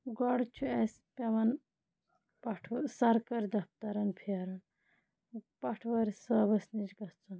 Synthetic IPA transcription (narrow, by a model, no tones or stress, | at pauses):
ɡɔɽt͡ʃʰues | pɐʋɐn | pɐʈʰsɐɾkɐɾd̪ɐpt̪ɐɾɐnpʰiɐɾɐn | pɐʈʰʋɐɾsɐːbɐsnit͡ʃɡɐt͡sun